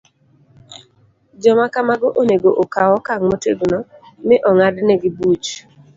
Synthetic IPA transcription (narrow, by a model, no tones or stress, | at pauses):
d͡ʒɔmakamaɡɔʔoneɡoʔokawɔkaŋmoteɡnɔmɪʔɔŋadnɛɡɪbut͡ʃ